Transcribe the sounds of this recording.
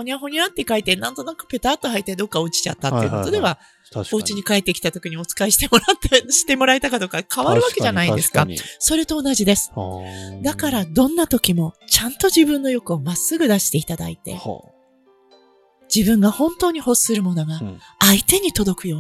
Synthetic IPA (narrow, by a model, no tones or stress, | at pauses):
oɲiaɦo̞ɲ̟ʲiãt̪ːekait̪e̞nãnt̪o̞nakɯ̟̥pe̞t̪aːt̪ːohait̪ːed̪o̞kːao̟t͡ɕi̥t͡ɕa̰t̪ːat̪ːḛkot̪o̞d̪e̞βa | oɯt͡ɕiɲ̟ikaet̪ːe̞kʲi̥t̪at̪o̞kʲiɲ̟io̞t͡sɨ̥kaiɕi̥t̪e̞mo̞ɾat̪ːeɕi̥t̪e̞mo̞ɾait̪akad̪o̞kakʰaβaɾɯ̟βake̞ʑanaid̪e̞sɨ̥kaso̞ɾe̞t̪o̞ːnaʑid̪e̞sɨ̥d̪akaɾad̪õ̞nːat̪o̞kʲimo̞t͡ɕãnt̪o̞ʑibɯ̟̃nːo̞jo̞kɯ̟omasːɨɡɯ̟d̪aɕi̥t̪e̞it̪ad̪a̰it̪e̞̰ | d͡ʑibɯ̟̃ŋɡahõ̞nt̪o̞ːɲ̟iho̞sɨ̥sɨɾɯ̟mo̞no̞ɡaːit̪e̞ɲ̟it̪o̞d̪o̞kɯ̟jo̞ː